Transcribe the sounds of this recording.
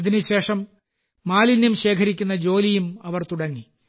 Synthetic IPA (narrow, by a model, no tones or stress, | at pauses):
ɐðinuɕe̞ːʂɐmː | aːlinjumɕe̞ːkʰɐɾikʲːunːɐd͡ʑo̞ːlijumɐʋɐrt̪uɽɐŋːi